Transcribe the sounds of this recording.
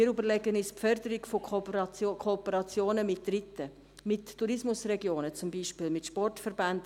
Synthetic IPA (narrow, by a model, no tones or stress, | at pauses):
iəɾybəɾlɛɡənispfœɾd̪əɾɪkfookʰoːpəɾɑt͡sjoːnəmɪt̚d̥ɾɪtːə | mɪtːuɾɪsmʊsrɛɡjoːnət͡sʊmbiːʃpɪːlmɪtʃpɔrtfəɾband̥